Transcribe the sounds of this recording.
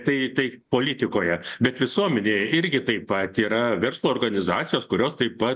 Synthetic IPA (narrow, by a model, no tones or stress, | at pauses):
t̪ɐɪt̪ɐɪpoːlʲit̪ʲɪkoːjɛbʲɛt̪ʋʲɪsuɔmʲɛnʲeːjɛɪɾʲɡʲɪt̪ɐɪpɐt̪iːɾɐʋʲɛɾslˠuːrɡɐnʲɪzɑːt͡s̪ʲɪjoːskʊɾʲoːst̪ɐɪpɐt̪